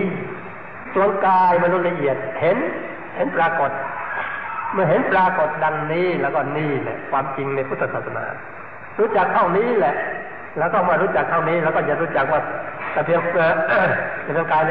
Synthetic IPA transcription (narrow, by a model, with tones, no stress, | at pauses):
k̪ʰu˧əŋkaː˧jma˧nu˧t̪̚la˧ʔi˨˩ət̪̚he˨˦n | he˨˦npɾaː˧ko˨˩t̪̚ | mɯ˧˨ɦe˨˦npɾaː˧ko˨˩t̪̚da˧ŋniː˧˥˩lɛː˧˩wkɔː˧˩niː˧˩lɛ̰˧˩kʰwaː˧mt͡ɕi˧ŋna˧jpʰu˧˩t̪ʰːa˧tsaː˨˩t̪sa˧na̰ː˨˦ | ɾuː˦˥˩t͡ɕa˨˩k̚t̪ʰa˧˩wniː˧˥˨lɛ˧˦ʔ | lɛː˧˩wkɔː˧˩maː˧˨ɾuː˦˧˥t͡ɕa˨˩k̚t̪ʰa˧˩wniː˧˥˨lɛ˧˥˩wkɔː˧˩ja˨˩ɾuː˧˥˩t͡ɕa˨˩k̚waː˧˩t̪aː˧˩pʰi˧əŋmɯ˧˩ | a˧˩pʰi˧əŋkaː˧jl